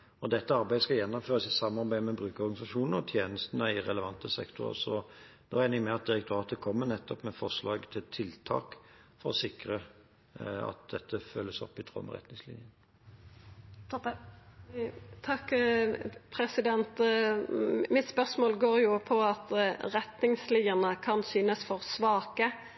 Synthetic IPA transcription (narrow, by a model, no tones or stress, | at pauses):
ɔd̪ɛt̪ːəɑɾbæɪəskɑjɛnːɔmføːɾəsɪsɑmːɑɾbæɪəmɛbʁʉːkəɔʁɡɑnɪsɑʂuːnn̩ɔt̪ʰjeːnəst̪ənəɪʁɛləʋɑnt̪əsɛ̰kt̪ʊɾə̰sɔd̪̥ɛæɪnɪŋmɛɑt̪̚d̪ɪɾəkt̪ʊɑːt̪əkʰɔmːənɛt̪ːɔpmɛfɔʁʂlɑːɡt̪ʰɪlt̪ʰɪlt̪ʰɑ̰ːkfɔɾɔsɪkɾə | ɑ̰t̪̚d̪ɛt̪ʰːəfœlːəsɔ̰pːɪt̪ʰʁɔ̰mə̰ʁɛ̰t̪nɪŋslɪ̰njən | t̪ʰɔ | t̪ʰɑk | pʰɾɛsɪd̪ɛnt̪ | mɪt̪spœsmoːlɡoːɾjʊpʰɔɑt̪ʁɛt̪nɪŋslɪːəʁnəkʰɑnsyːnəsfɔʁsʋɑːkə